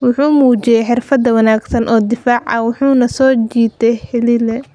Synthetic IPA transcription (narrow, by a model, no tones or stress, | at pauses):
wʊħuːmuːt͡ʃɪjɛjħɪrfɐd̪ɐwɐnaːɡsɐnʔɔːd̪ɪfaːʕɐ̰wʊħuːnɐsɔːt͡ʃiːt̪ɛjhɛlilɛ